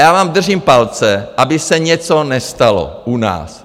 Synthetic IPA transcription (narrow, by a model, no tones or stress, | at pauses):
jaːvaːmd̪r̩ʒiːmpalt͡sɛʔabɪsɛɲɛt͡sonɛst̪alo̰ʔuna̰ːs